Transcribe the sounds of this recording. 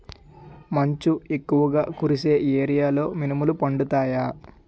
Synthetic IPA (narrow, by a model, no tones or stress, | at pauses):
mɐɲt͡ʃue̞kːuʋɐɡaːkuɾise̞ːʔeːɾijaːlo̞ːminimulupɐɳɖut̪aːjaː